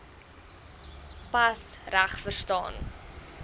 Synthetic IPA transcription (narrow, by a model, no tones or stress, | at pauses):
pɐsræχfərstɑ̰ːn